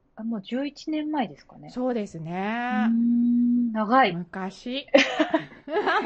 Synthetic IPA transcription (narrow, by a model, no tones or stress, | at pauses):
amoːd͡ʑɨːit͡ɕinẽ̞mːaed̪e̞sɨ̥kane̞so̞ːd̪e̞sɨneɯ | naɡaimɯ̟kaɕi